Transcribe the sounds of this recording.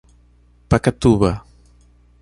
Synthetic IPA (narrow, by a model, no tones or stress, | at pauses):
pakat̪uβɐ